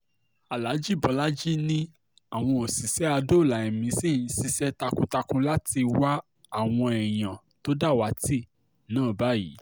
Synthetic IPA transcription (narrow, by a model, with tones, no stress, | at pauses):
a˨la˨˦d͡ʒi˦˨bɔ˨˦la˦d͡ʒi˦nĩ˧ | a˨w̃ɔ̃˧o˨si˨sɛ˨˦a˧do˦˨la˨ɛ˨mĩ˨˦si˦˨˦si˧sɛ˦ta˧kũ˦ta˧kũ˧la˦ti˧wa˦ | a˦˨w̃ɔ̃˧ɛ˨j̃ã˨ | to˦da˦˨wa˨˦ti˦˨ | nãː˦˨ba˨˦jḭ˨˦